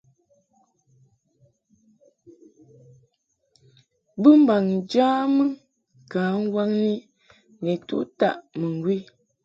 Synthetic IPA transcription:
bɨ˦m̩˦ba˨ŋ˨d͡ʒaː˦mə˦ | kaː˨˦ŋ̩˦wa˦ŋni˦ | ne˨tṵ˦ʔta̰˦˨ʔmə˨ŋ˨ɡwi˦

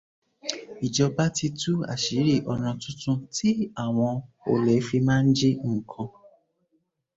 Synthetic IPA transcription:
i˨d͡ʒɔ˧ba˦ti˧tu˦a̰˨ʃi˨˦ɾi˦˨ʔɔ˧ñã˧tũ˦tũ˧tʰi˦a˦˨w̃ɔ̃˧ | o̰˧le˨˦fi˧mãː˦n̩˦d͡ʒi˦ŋ̩˨kʰɔ̃˧

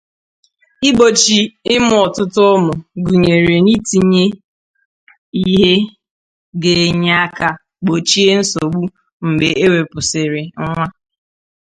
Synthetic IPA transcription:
ɪ˦ɡ͡bo˨t͡ʃi˨ɪ˦mʊ˦ɔ˨tʊ˦tʊ˦mʊ˨ɡu˨ɲe˨ɾe˨ni˦ti˨ɲe˦ | i˦ɦe˦ | ɡe˨ɲ˦a˦ka˨ | ɡ͡bo˨t͡ʃi˦e˦n̩˦so˨ɡ͡bu˦ | m̩˨be˨e˦we˨pʊ˨sɪ˨ɾɪ˨ŋ̩˦ŋʷa˦

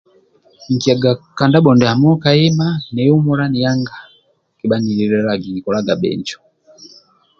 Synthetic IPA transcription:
ŋ̩˨ki˨a˨ɡaka˨nda˦ɓɔ˨ndɛ˨ha˨mɔ˦ka˨i˦ma˦nɛ˨ju˦mɔ˦la˦ni˨ja˦ŋɡa˨ | ki˨ɓani˨li˨ɾɛɾa˨ɡi˨ɲi˨kɔ˨la˦ɡa˨ɓɛ̰˨ɲd͡ʒɔ̥

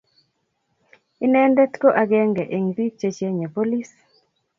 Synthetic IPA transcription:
ɪ˦nɛ˦ndɛ˦t̪ko˦ʔa˨ɡɛ˦ŋɡɛ˨ʔe˨ŋdi˦t͡ʃe˦t͡ʃe˦ɲe˨po˦li˦s

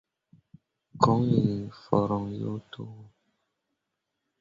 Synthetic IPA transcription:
kɔ˦ŋi˨fɔ˨ɾɔ˨ŋjo̰˦tʰo˦wo˦

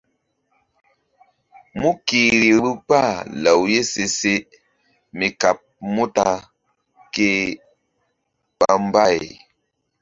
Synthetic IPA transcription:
mu˦ki˨ɾi˨bu˦k͡pa˦˨lə˨wje˦se˨se˦ | mi˨ka˨p̚mu˦ta˦ | ke˦ | ɓa˦m˦ba˦˨j

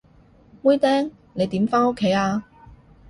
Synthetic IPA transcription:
wuː˥jt̪ɛː˥ŋ | ne˨˧jt̪iː˨˥mfaː˥no˥kʰːe˨˥jaː˧

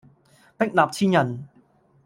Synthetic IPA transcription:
pɪ˥k̚laː˨˩p̚t͡sʰiː˥njɐ˨˩n

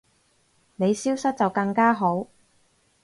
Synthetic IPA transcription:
ne˨˧jsiː˥wsɐ˥t̚t͡sɐ˨wkɐ˧ŋkaː˥ɦo˨˥w

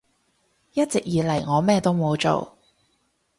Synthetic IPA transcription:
jɐ˥t̚t͡sɪ˨k̚jiː˨˧lɐ˨˩jŋɔː˨˧mɛː˥t̪o˥wmo˨˧wt͡ʃo̰˨˩w

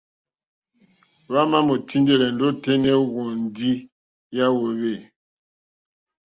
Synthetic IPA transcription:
βa˦ma˦mo˨ti˦nde˦lɛ˨n̩˨do˦te˦nɛ˦ɣɔ˨n˨di˦ | ja˦wo˨βe˦˨

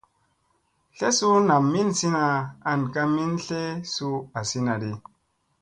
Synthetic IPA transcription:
ɬe˦su˦na˨mːi˦nsi˦na˧a˨nka˧mi˦nɬe˦su˧a˨si˦na˨ɾi˨

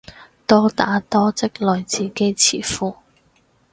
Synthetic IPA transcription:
t̪ɔː˥t̪aː˨˥t̪ɔː˥t͡sɪ˥k̚lɔː˨˩jt͡siː˨˩ke˥jt͡sʰḭː˨˩fuː˧˥

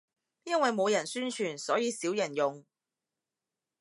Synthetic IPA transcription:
jɐ˥nwɐ˨jmo˨˧wjɐ˨˩nsyː˥nt͡ʃʰyː˨˩nsɔː˨˥jiː˨˧siː˨˥wjɐ˨˩njʊ˨ŋ

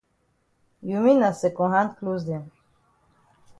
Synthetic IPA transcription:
jumi˦na˨se˨kɔ̃˨ɦã˦nt̪kluzd̪e˨n

